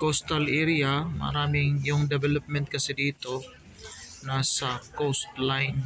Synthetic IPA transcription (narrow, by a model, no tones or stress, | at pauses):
kost̪ɐlʔɛɾiamɐ̰ɾaːmɪŋjʊŋd̪ɛbɛlɐp̚mɛnt̪̚kɐsɛd̪iːt̪o | nasɐkost̪lajn